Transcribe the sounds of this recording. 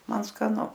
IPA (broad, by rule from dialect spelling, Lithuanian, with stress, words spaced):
ˈmɐn skɐˈnʊ